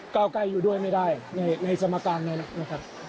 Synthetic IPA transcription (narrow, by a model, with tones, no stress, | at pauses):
kaː˥˩wka˧˩jːuː˨˩du˥˩əjma˥˩jdaː˥˩jna˧jna˧jsa˧maː˧kaː˧nːa˦˥nna˦˥kʰa˦˥p̚